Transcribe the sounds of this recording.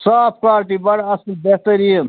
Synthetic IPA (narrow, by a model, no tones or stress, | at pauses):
saːp̚kaːɾʈibɐɽɐslbeht̪ɐɾien